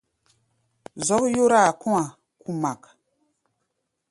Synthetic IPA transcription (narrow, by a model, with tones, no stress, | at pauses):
zɔ˦kjo˦ɾa˦˨ku˦a˨ | ku˦ma˨k